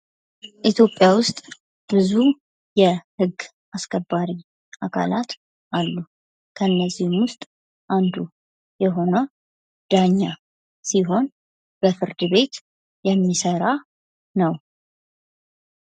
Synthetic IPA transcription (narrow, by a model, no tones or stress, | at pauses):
ʔit̪ʰjo̞pʼːjawʊst̪ʼ | b̥ɨzu | jɛhɨɡː | ʔaskʰəbːaɾi | ʔakʰa̰lat̪ | ʔalːu | kʰənːəzːihmwʊst̪ʼ | ʔand̪u | jɛɦo̞nə | d̪̥aɲːa | siɦo̞n | b̥əfɨɾd̪ɨβe̞t̪ | jɛmːisəɾa | nəw